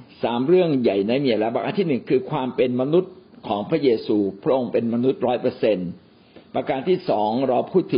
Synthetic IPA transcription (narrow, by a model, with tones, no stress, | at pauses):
saː˩˦mɾɯ˥˩əŋja˨˩jna˧jmi˧˩˨lɛa˦˥baː˨˩kʔaː˧nt̪ʰiː˥˩nɯ˨˩ŋkʰɯː˧kʰwaː˧mpe˧nma˧nu˦˥t̪̚kʰɔː˩˦ŋpʰɾa˦˥jeː˧suː˧pʰɾa˦˥ʔo˧ŋpe˧nma˧nu˦˥t̪̚ɾɔː˦˥jpɤː˧se˧n | pa˧kaː˧nt̪ʰiː˥˩sɔː˩˦ŋɾɔː˧wpʰuː˥˩t̪ʰːɯ˩˦